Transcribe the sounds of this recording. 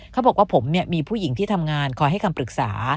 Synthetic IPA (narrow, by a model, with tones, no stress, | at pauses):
kʰa˦˥˩bɔ˨˩k̚waː˥˩pʰo˩˦mni˥˩əmiː˧pʰuː˥˩ji˩˦ŋt̪ʰiː˥˩t̪ʰa˧mŋaː˧nkʰɔː˧ɦa˥˩jkʰa˧mpɾɯ˨˩k̚sa̰ː˩˦